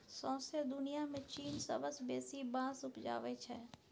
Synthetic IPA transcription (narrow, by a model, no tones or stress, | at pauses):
sɔ̃ːsed̪ʊnijamẽt͡ʃiːnsɐ̰bəsbeːsibãːsʊpd͡ʒa̰ːʋet͡ʃʰɛː